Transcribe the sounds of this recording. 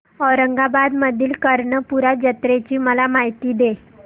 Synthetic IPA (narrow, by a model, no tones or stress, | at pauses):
ɔɾəŋɡabad̪məd̪ʱiːlkəɾɳəpuɾad͡ʑət̪ɾet͡ɕiːməlamaɦijt̪iːd̪e